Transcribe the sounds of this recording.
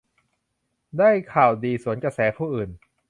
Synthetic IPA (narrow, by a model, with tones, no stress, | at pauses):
daː˥˩jkʰaː˨˩wdiː˧su˩˦ənkɾa˧sɛː˩˦pʰuː˥˩ʔɯː˨˩n